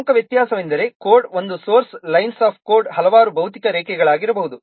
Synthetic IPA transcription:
ŋkɐʋjɐt̪jaːsɐʋind̪ɐɾe̞koːɾɖo̞nd̪usoːɾslɐjnsaːp̚ʰkoːɾɖhɐlɐʋaːɾubʱɐwt̪ikɐɾɛːkɛɡɐɭaːɡiɾɐbɐɦud̪u

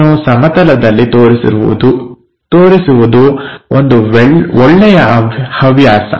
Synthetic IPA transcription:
usɐmɐt̪ɐlɐd̪ɐlːit̪oːɾisḭ | t̪oːɾisuʋud̪uond̪uɔɭːɛjɐhɐʋjaːsɐ̰

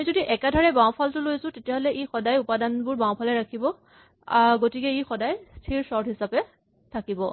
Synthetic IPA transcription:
amizodiʔɛkadʱɔɹɛbãw̃pʰaltʊlojsʊ̃tetijaɦolɛʔexɔdajupadanbʊɹbaw̃pʰalɛɹakʰibɔ | aɹɡotikɛixɔdajstʰiɹsɔɹdɦisapɛ | tʰakibɔ

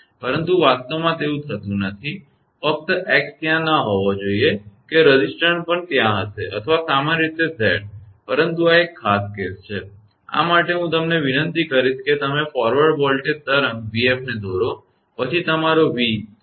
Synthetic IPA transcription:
pəɾənt̪uʋast̪omãt̪eũt̪ʰət̪ũnət̪ʰi | fək̚t̪əʔɛkst̪jãnəɦɔʋod͡ʒoiekeɾəd͡ʒisʈəɳʈpəɳt̪jãɦəseʔə̰t̪ʰəʋasamanɾit̪esɛ̰ɽpəɾənt̪uaekʰːaskest͡ʃʰe | a̰maʈeɦũt̪əmneʋinənt̪ikəɾit͡ʃket̪əmefɔɾʋəɾɖbɔlʈed̪̚t̪əɾə̃ŋɡʋiefned̪ʱoɾo | pət͡ʃʰit̪əmaɾoʋi

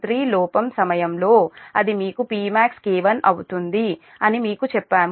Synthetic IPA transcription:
ɾiːlɔːpɐmsɐmɐjɐmlo̞ːɐd̪imiːkupiːmaːkskiːʋɐnʔɐwut̪und̪i | ɐnimiːkut͡ʃɛpːaːm

